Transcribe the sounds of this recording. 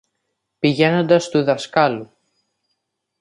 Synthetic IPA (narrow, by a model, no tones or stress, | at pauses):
piʝe̞no̞nd̪ɐst̪uðɐskɐlu